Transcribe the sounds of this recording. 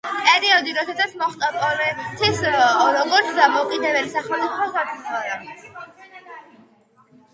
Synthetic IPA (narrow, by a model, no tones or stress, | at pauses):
pʼɛɾiɔd̪iɾɔd̪ɛsat̪sʰmɔχt̪ʼapʼɔlɛt̪ʰisɾɔɡɔɾt̪sʰd̪amɔukʼid̪ɛbɛlisaχɛmt̪sʼipʰɔsapʰut̪ʰɔɾa